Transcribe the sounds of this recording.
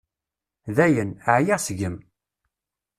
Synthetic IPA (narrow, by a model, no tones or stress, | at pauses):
ðæjənəʕjaʁsʝəm